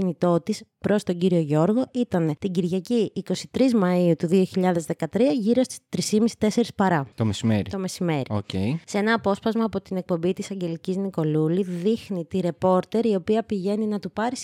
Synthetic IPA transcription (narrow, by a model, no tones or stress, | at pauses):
init̪o̞t̪ispɾo̞st̪o̞ɟiɾio̞ʝo̞ɾɣo̞it̪ɐne̞t̪iɟiɾʝɐciːko̞si̥t̪ɾizmɐiut̪uðio̞çiʎɐðe̞zðe̞kɐt̪ɾiɐʝiɾo̞st̪i̥st̪ɾisimisi̥t̪e̞se̞ɾispɐɾɐt̪omesimeɾit̪o̞me̞sime̞ɾio̰cḛisee̞nɐːpo̞spɐzmɐːpo̞t̪ine̞k̚pombit̪isɐɲɟe̞licizniko̞luliðixnit̪iɾe̞po̞ɾt̪e̞ɾio̞piɐpiʝe̞ninɐt̪upɐɾis